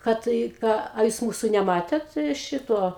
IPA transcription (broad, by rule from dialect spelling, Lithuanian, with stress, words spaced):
ˈkɐt ɪ ˈkɑː ɐ ˈjuːs ˈmuːsʊ nʲɛˈmɑːtʲeːt ˈʃʲɪtuɔ